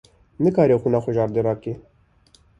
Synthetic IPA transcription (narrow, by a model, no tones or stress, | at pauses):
nɨkɑːɾeːxunɑːxʷʊʒɑːɾd̪eɾɑːke